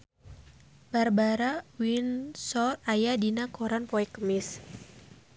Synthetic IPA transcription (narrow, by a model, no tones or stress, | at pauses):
barbaɾawinsɔrajadinakoɾanpɔɛkːəmɪs